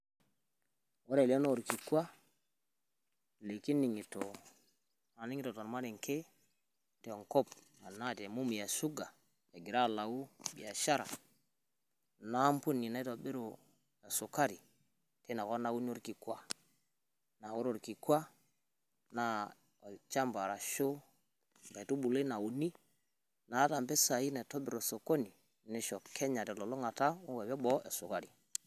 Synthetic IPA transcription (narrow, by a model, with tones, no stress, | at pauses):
wo˦ɾe˨lo˦no˦o˨ɾki˨kwa˦ | le˨ki˦ni˨ŋi˨to˨ | na˨ni˦ŋi˦to˨to˨n˨ma˦ɾe˨ŋ˨kʰe˦ | te˨ŋko˦p | a˨na˦˨te˨mu˦mi˨ja˨su˦ɡa˨ | ja˨ɡi˨ɾa˦˨la˨wu˦˨ɓḭ˨ja˨ʃa˦ɾa̰˨ | na˦m˦pu˦nːi˨na˦i˦to˨a˨ɓe˦ɾo˨ | na˨so˨ka˦ɾi˨ | te˦na˨kɔ˦na˦wu˦ni˦o˦ɾki˨kwa˦ | na˨o˦ɾo˨ɾki˨ka˦ | na˨˦ | ɔ˨lt͡ʃa˦mba˨ɾa˨ʃo˦ | ba˨to˦ɓu˨le˦na˨u˨ni˦ | na˨˦ta˨mbɛ˦sa˨i˦na˨tɔ˦bi˨ɾɔ˨so˨ko˦ni˨ | ne˨ʃɔ˨kʰɛ˦ɲa˨tɛ˨lɔ˨lo˦ŋa˨ta˦u˦wɛ˨bɛ˦ɓɔ˦ɛ̰˨su˨ka˦ɾi˨